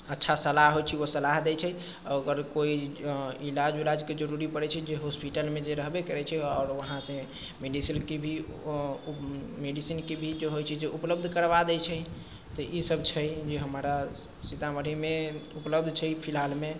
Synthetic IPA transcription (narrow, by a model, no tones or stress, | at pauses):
ətːʃʰasəlaɦɦojt͡ʃʰiosəlaɦd̪ɛjt͡ʃʰɛ | əɡəɾkoiilad͡ʒulad͡ʒked͡ʒəɾuɾipəɾɛt͡ʃʰɛd͡ʒeɦospiʈəlmed͡ʒeɾəɦbekəɾɛt͡ʃʰɛɔːɾʋəɦãsə̃ | meɖisinkebʱi | meɖisinkebʱid͡ʒeɦojt͡ʃʰɛd͡ʒeʔupləb̚d̪ʱkəɾbad̪ɛt͡ʃʰɛ | t̪ɔʔisəbt͡ʃʰɛd͡ʒeɦəmɾa | sit̪aməɽimeupləbd̪ʱt͡ʃʰɛpʰilɦalme